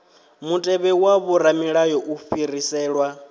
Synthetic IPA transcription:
mutʼɛβɛwaβuɾamiɺajɔʔufiɾisɛːɺwa

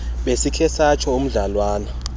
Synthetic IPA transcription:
ɓesikʰɛsat͡ʃʰɔum̩ɮalwaːna

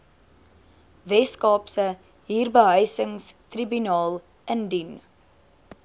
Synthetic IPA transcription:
vɛskɑːpsə | ɦiːrbəɦœjsəŋstribynɑːlˠ | əndyn

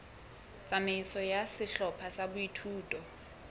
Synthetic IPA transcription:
t͡sʼamɪsɔjasɪɬɔpʰasabʊitʰuːtʼɔ

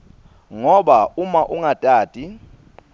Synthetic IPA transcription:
ŋɔɓaumaʔuŋatʼaːd̥ʱʼi

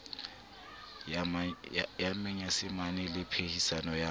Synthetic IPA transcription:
j | jamɛɲasɪmanɪlɪpʰehisanɔja

